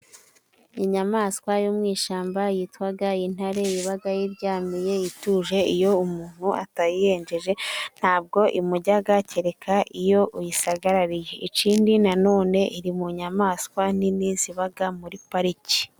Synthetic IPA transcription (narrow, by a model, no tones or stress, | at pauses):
iɲamaːskwajumŋiːʃaːmbajitwaɡain̥haɾe̞jiβaɡajiɾɟaːmije̞jituːʒe̞ijo̞umuːn̥huʔa̰tajije̞ːɲd͡ʒe̞ʒe̞n̥haːb̚ɡo̞ʔimuɟaɡaceɾe̞kʰaʔijo̞ʔujisaɡaɾaɾije̞ʔiciːndinano̞ːne̞ʔiɾimuɲamaːskwaniniːziβaɡamuɾipaɾici̥